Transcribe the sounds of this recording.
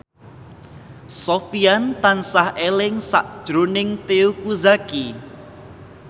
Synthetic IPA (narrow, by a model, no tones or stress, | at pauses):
sofiant̪ansahelɪŋsa̰ʔd̥ʒ̥ɾonɪŋt̪eukuzaki